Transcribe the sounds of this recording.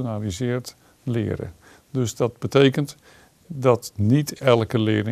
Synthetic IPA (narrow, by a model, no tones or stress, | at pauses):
nalizɪːɹt | lɪ̰ːɾə̰ | dɵzdɑd̚bətejkənt | dɑtnitɛlˠkəlɪːɾɪ